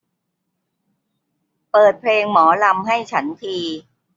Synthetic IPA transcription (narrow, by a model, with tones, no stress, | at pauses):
pɤː˨˩t̪̚pʰleː˧ŋmɔː˩˦la˧mɦa˥˩jt͡ɕʰa˦˥nt̪ʰiː˧